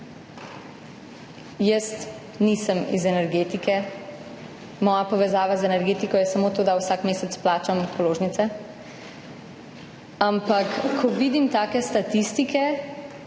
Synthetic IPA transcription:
jəst̪ | nisəmḭzɛnɛɾɡeːt̪ikɛ | mɔːjapɔʋɛzaːʋazɛnɛɾɡeːt̪ikɔjɛsamoːt̪oːd̪awsakmeːsɛt̪splaːt͡ʃampɔloːʒnit̪sɛ | ampakːʰɔʋid̪imt̪aːkɛst̪at̪ist̪ikʰɛ

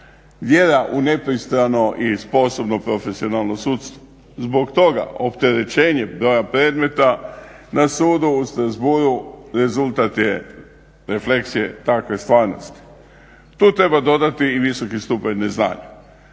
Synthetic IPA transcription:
d̪je̞d̪aʔune̞pɾist̪ɾano̞ʔispo̞so̞bno̞pɾo̞fe̞sio̞nalˠno̞suːt̪st̪ʋo̥ | zbo̞kt̪o̞ɡa̰o̞pt̪e̞ɾe̞t͡ʃe̞ːɲe̞bɾo̞japɾed̪me̞t̪anasuːd̪uːst̪ɾazbuːɾuɾe̞zult̪at̪je | ɾe̞fle̞ksije̞̰t̪akʋe̞st̪ʋaːɾno̞̰st̪i̥ | t̪uːt̪ɾe̞bad̪o̞d̪at̪iːʋiso̞kist̪upaɲnezna̰ːɲa

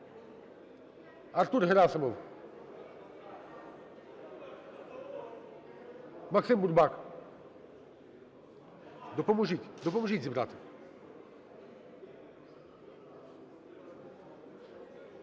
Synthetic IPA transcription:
art̪urɦeɾasɐmɔw | maksɪmburbak | d̪ɔpɔmuʒitʲd̪ɔpɔmuʒizʲibɾat̪ɪ̥

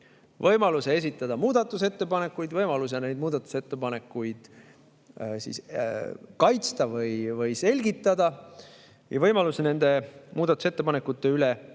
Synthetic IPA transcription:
vɤjmɑlusees̬ʲit̪ːˑɑd̪̥ɑmuːd̪̥ɑt̪ːˑuse̞t̪ːe̞pɑne̞kːujd̪vɤjmɑlus̬ene̞jd̪̚muːd̪̥ɑt̪ːˑu̥set̪ːepɑne̞kːˑujd̪̥ | sḭs | kɑjt̪st̪ɑvɤjvɤjse̞lʲɡit̪ːˑɑd̪̥ɑ | jɑvɤjmɑlusene̞nd̪̥e̞muːd̪̥ɑt̪ːˑu̥se̞t̪ːe̞pɑnekːˑut̪ːˑe̞yle

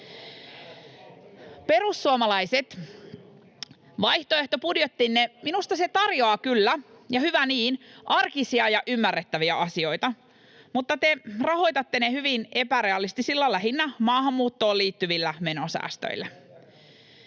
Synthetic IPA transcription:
pe̞ɾusːuomɑlɑiset̪ | ʋɑjht̪oe̞ht̪o̞pudjet̪ːinːeminust̪ɑse̞t̪ɑrjoɑkylːæ | jɑhyʋæniːnʔɑrkisiɑjɑʔymːærːet̪ːæʋiæɑsio̞jt̪ɑ | mut̪ːɑt̪erɑho̞jt̪ɑt̪ːe̞nehyʋine̞pæɾeɑlːist̪isilːɑlːæɦinːæmɑːɦɑmːuːt̪ːo̞ːliːt̪ːyʋilːæme̞nosæ̰ːst̪ø̰ilːæ

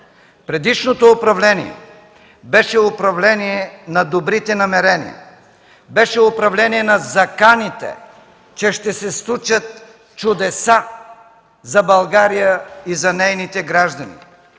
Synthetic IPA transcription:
pɾɛd̪iʃnot̪oːpɾɐvlɛniɛ̰ | bɛʃɛʊpɾɐvlɛniɛnɐd̪obɾit̪ɛnɐmɛɾɛnḭə̰ | bɛʃɛʊpɾɐvlɛniɛnɐzɐkanit̪ɛ̰ | t͡ʃɛʃt̪ɛsɛslˠut͡ʃət̪̚ | t͡ʃʊd̪ɛsa | zɐbɐlˠɡaɾijəizɐnɛjnit̪ɛɡɾaʒd̪ɐnḭ

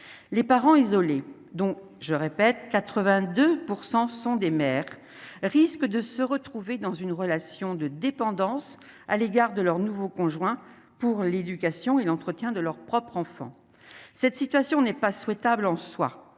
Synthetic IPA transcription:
lepaʁɑ̃izɔle | d̪ɔ̃ | ʒəʁepɛt̪kat̪χəvɛ̃d̪øpuʁsɑ̃sɔ̃d̪emɛʁː | iskd̪əsəʁət̪χuved̪ɑ̃zynʁəlasjɔ̃d̪əd̪epɑ̃d̪ɑ̃s | a̰leɡaʁd̪əlœʁnuvokɔ̃ʒwɛ̃ | puʁled̪ykasjɔ̃elɑ̃t̪χət̪jɛ̃d̪əlœʁpχɔpχɑ̃fɑ̰̃ | sɛt̪sit̪ɥasjɔ̃nɛpaswɛt̪ablɑ̃swa̰

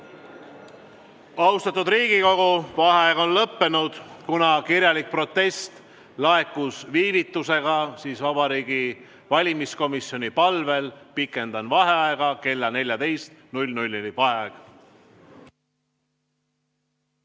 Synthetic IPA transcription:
ɑwst̪ɑt̪ud̪riːɡ̥iko̞ɡ̥uvɑɦeɑeɡ̥o̞nlɤpːe̞nud̪̥kunɑkirjɑlik̚pro̞t̪ːe̞st̪ | lɑe̞kːˑusviːvit̪ːˑuse̞ɡ̥ɑsiːsvɑb̥ɑɾiːɡ̥i | vɑlʲimisko̞misːjo̞nipɑlve̞lpikːˑe̞nd̪̥ɑnvɑɦe̞ɑeɡ̥ɑke̞lːɑne̞lʲjɑd̪e̞jst̪nulʲnulʲːelipɑeɡ̥

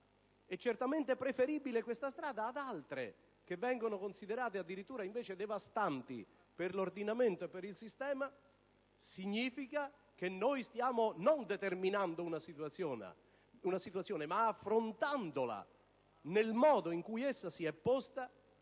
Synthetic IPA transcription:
ɛt͡ʃːert̪ament̪ɪpɾefeɾiːbilekwest̪ast̪ɾaːd̪aːd̪alt̪ɾḛ | k̟evːɛŋɡonokonsiðeɾaːt̪ead̪ːiɾit̪ːuːɾaiɱveːt͡ʃed̪ɛvast̪ant̪ḭ | perlord̪inament̪oepeɾilsist̪ɛːma | siɲːiːfika | k̟enːojst̪jaːmonond̪et̪erminand̪ounasit̪wasjɔːn̰ | unasit̪uwat̪sjɔːnemaːfːɾont̪and̪ola̰ | nelmɔːd̪oiŋkujesːasiɛpːɔst̪a

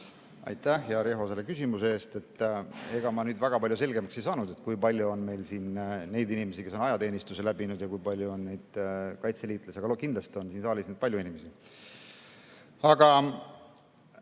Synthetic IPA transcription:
ɑ̰jt̪æhjɑɾe̞ɦo̞se̞lːekysʲimuseeːst̪e̞t̪ːˑe̞ɡ̥ɑmɑnyːd̪væɡ̥ɑpɑljuse̞lɡe̞mɑksejsɑːnud̪̥e̞t̪kujpɑlʲjuonme̞jlsiːnne̞jd̪inime̞sike̞s̬ːonɑjɑt̪e̞ːnist̪use̞læbinud̪̥jɑkujpɑlʲjuo̞nnejd̪̥kɑjt̪seliːt̪ːˑlesiɑɡɑkind̪lɑst̪io̞nsiːnsɑːlʲisned̪pɑlʲjuinimesi | ɑɡ̥ɑ

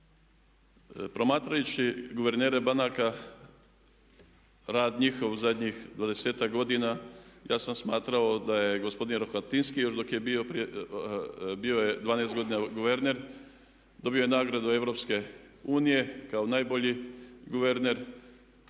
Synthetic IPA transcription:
pɾo̞maːt̪ɾajut͡ɕiɡuʋe̞ɾneːɾe̞banaka | ɾaːd̪ɲixo̞ʋzad̪ʲɲixd̪ʋad̪e̞seːt̪akɡo̞d̪inajaːsamsmaːt̪ɾao̞d̪aje̞ɡospo̞d̪inɾoxat̪inskijo̞ʃd̪o̞kjebio̞pɾi | bio̞jed̪ʋaːnejst̪ɡod̪inaɡuʋe̞ɾne̞ɾ | d̪o̞biojenaːɡɾad̪ue̞ʋɾo̞pske̞ | uːnije̞kao̞naːjbo̞ʎiɡuʋe̞ɾne̞ɾ

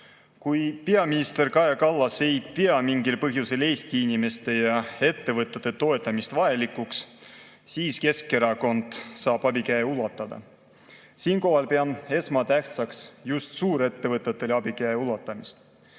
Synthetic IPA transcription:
kujpeɑminist̪e̞rkɑjekɑlːɑse̞jd̪̥peɑmiŋɡilpɤɦjuse̞le̞ːst̪iinʲime̞st̪e̞jɑe̞t̪ːe̞vɤt̪ːˑed̪et̪o̞e̞t̪ˑːɑmist̪vɑelikˑuks | siːske̞ske̞ɾɑko̞nd̪̥sɑːb̥ɑbikæeulɑt̪ːˑɑd̪̥ɑ̰ | siːnko̞ɦɑlpeɑne̞smɑt̪æht̪sɑksjust̪suːɾe̞t̪ːe̞vɤt̪ːˑet̪ːˑe̞lɑb̥ikæeulɑt̪ːˑɑmist̪

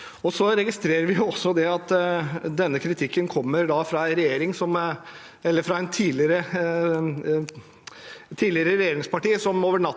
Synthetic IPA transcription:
ɔsɔɾɛɡɪst̪ɾeːɾəɾʋɪjʊɔsːɔd̪ɛɑt̪ːd̪ɛnːəkʰɾɪt̪ʰɪkːənkʰɔmːəɾɖ̪ɑfɾɑɛnɾɛjeːɾɪŋsɔm | ɛlːəɾfɾɑɛɪnt̪ʰiːlɪɾə | t̪ʰːiːlɪəɾəɾɛjeːɾɪŋspʰɑʈiːəsɔmoːʋəɳɑt̪

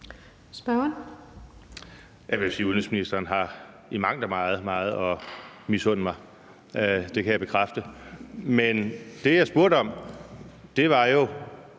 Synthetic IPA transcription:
sb̥ɶn | jɑʋe̝josiːuðˠensminisd̥ɐːnɦɑ̈ | imɑ̈ŋ̰d̥ɐmɑ̈ːð̞̩ˠmɑ̈ːð̞̩ˠɒ̽misɔ̽n̰mɑ̈ɪ | d̥e̝kʰæjab̥e̝kʰʁafd̥əmend̥e̝jɑ̈ɪsb̥uɐ̰ɾ̥əɒ̽m̰ | d̥e̝ʋɑ̈jo̝

